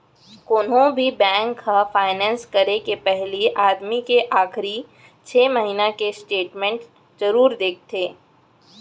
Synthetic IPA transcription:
kʊnɦõbʱibɛ̃ːŋkːafaːɪnɛ̃ːnskɐɾekepɛɦliʔaːd̪mikeʔaːxɾi | t͡ʃʰeːmɐɦiːnakesʈeːʈmɛ̃ɳʈ | zɐɾuːɾd̪eːk̚ʰt̪ʰeː

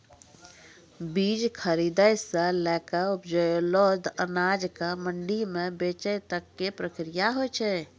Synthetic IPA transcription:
bid͡ʒkʰəɾid̪əjsə̃lɛkəupd͡ʒəjolod̪ənad͡ʒkəməɳɖimebet͡ʃəjt̪əkːepɾəkɾijaɦojt͡ʃʰɛ

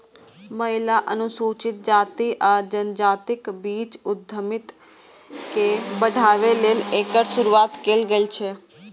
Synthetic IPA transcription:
məɦilaʔənusut͡ʃɪt̪̚d͡ʒaːt̪iʔad͡ʒənd͡ʒat̪ɪkbit͡ʃʊd̪ʱːəmɪt̪ | kebəɖ̪ʱaʋelelekəɽsʊɾuat̪kelɡəit͡ʃʰe

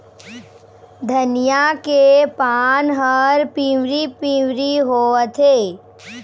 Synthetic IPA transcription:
d̪ʱənijakepaːnɦəɾpĩwɾipĩwɾiɦoːət̪ʰeː

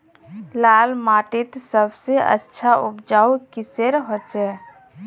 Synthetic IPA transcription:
laːlmaːʈɪt̪səbseʔə̰tːʃʰaʔʊpd͡ʒaːukiseɾɦot͡ʃɛː

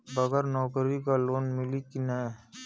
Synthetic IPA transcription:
bɐɡɛɾnɔːkɾikaloːnmɪlikinɛ

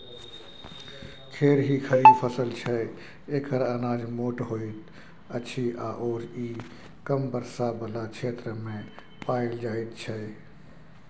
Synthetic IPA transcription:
kʰeːɾɦikʰəipʰəsəlt͡ʃʰə | ekʰəɾaːnaːd͡ʒmoʈɦoit̪ | əːt͡ʃʰiʔaʔoːɾi | kəmbəɾsabəlat͡ʃʰeːt̪ɾəmẽ | paild͡ʒaːit̪̚t͡ʃʰə

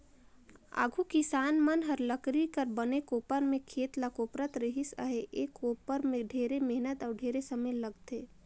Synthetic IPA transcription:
a̰ːɡʱukɪsaːnmənɦɐɾləkɾikəɾbənekoːpəɾmẽkʰeːt̪lakoːpɾət̪ɾɪɦɪsə̰ɦeʔeːkoːpəɾmẽɖʱeːɾemɛɦnət̪ɔːɾɖʱeːɾesəməjləɡt̪eː

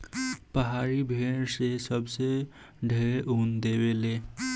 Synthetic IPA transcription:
pəɦaːɾibʱeːnsesəbse | ɖʱeɾeʔund̪eːweleː

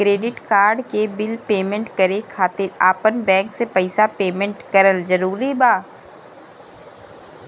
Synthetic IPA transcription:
kɾeːɖɪʈkaːɾɖkebɪlpeːmẽɳʈkɐɾekʰaːt̪ɪɾaːpənbɛ̃ːŋksepɐɪsapeːmẽɳʈkɐɾəlzɐɾuːɾibaː

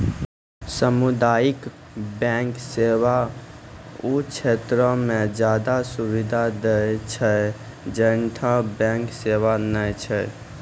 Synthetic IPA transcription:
səmud̪ajikbɛ̃ŋkseʋa | ut͡ʃʰet̪ɾəmed͡ʒjad̪asubid̪ʱad̪əjt͡ʃʰə | d͡ʒənʈʰabɛ̃ŋkseʋanəjt͡ʃʰə

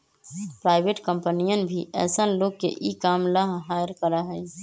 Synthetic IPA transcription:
pɾaːɪbʱeʈkəmpənijənbʱiʔɛ̰ːsənloːɡ̚kḛʔikaːmləɦɦaːjəɾkəɾəɦəj

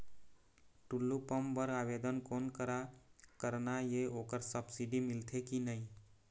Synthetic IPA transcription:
ʈʊlːupəmbəɾaːʋeːd̪ənkoːnkəɾakəɾnajeoːkəɾsəbsiɖimɪlt̪ʰekinəĩ

